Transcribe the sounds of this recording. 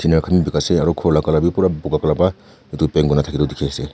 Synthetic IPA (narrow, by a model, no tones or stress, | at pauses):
tʰinaɾkʰamibikaseaɾɔkʰɔlakalabipuɾabuɡakalapa | it̪upeŋɡɔnatʰakidɔdikʰese